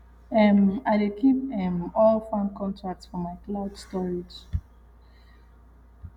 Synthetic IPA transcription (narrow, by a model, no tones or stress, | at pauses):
ɛmaɪdekipɛ̃mɔlfãnkɔ̃ntʰɹak̚tsfɔmaɪklaʊdstɔɹid͡ʒ